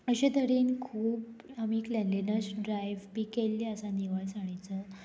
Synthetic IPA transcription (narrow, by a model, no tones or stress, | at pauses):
əɕẽt̪əɽiːnkʰuːbamiːklɛnlinəsɖɾajʋpikelːiəsaniʋaɭsaɽ̃at͡sə